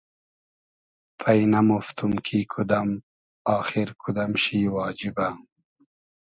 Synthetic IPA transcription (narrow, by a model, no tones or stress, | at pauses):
pʰɐjnɐmoft̪umkʰiːkʰud̪ɐm | ɑːxiɾkʰud̪ɐmɕiːwɑːd͡ʑiba